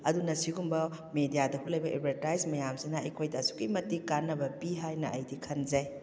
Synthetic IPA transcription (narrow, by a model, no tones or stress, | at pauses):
ɐdunɐsiɡumbɐ | medijadɐpulɐjbɐʔḛbʰʱɐɾtajzmɐjamsinaɐjkʰojdɐɐsu̥kimɐtikanːɐbɐpiɦajnɐʔɐjdikʰɐnzɐj